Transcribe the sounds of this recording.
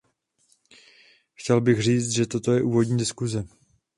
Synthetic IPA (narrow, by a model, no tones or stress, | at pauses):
xcɛlbɪxr̝iːt͡st̪ʒɛt̪o̞t̪o̞jɛʔuːvo̞dɲiːdɪskuzɛ